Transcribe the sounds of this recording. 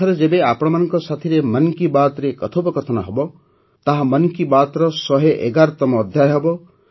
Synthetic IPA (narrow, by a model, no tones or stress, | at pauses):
aɾɔd͡ʒebeapɔɽ̃ɔmanɔŋkɔsat̪ʰiɾemʌnkibat̪ɾekɔt̪ʰopɔkɔt̪ʰɔnɔɦɔbɔ | t̪aɦamʌnkibat̪ɾɔsɔɦeʔeɡaɾt̪ɔmɔːd̪ʱjajɦebɔ